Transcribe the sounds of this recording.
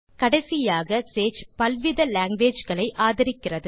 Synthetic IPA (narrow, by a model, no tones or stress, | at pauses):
kɐɽɐsɪjaːɣɐseːt͡ʃpɐlʋɪðɐlaːŋɡʋeːd͡ʒɣɐɭɐɪʔaːðɐɾɪkːɪrɐðɯ